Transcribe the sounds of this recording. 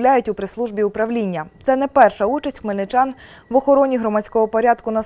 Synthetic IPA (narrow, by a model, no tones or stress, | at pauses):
lʲajʊtʲʊpɾɪslˠuʒbʲiʊpɾɐʋlʲinʲːɐt̪sɛnɛpɛrʃɐut͡ʃɐsʲtʲkmenɪt͡ʃɑn | ʋɔxɔɾɔnʲiɦɾɔmɐt͡sʲkɔɦɔpɔɾʲad̪kʊnɐ